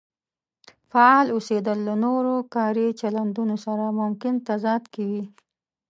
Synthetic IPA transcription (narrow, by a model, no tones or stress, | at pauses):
faɑlosed̪əlːanoɾokɑɾit͡ʃaland̪unosaɾamʊmkɪnt̪azɑd̪kawi